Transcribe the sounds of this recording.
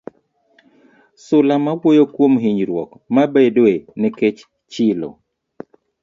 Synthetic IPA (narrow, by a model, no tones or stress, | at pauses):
sʊlamawojokwomɦiɲɾwɔk | mabedwenɛket͡ʃ | t͡ʃɪlo̰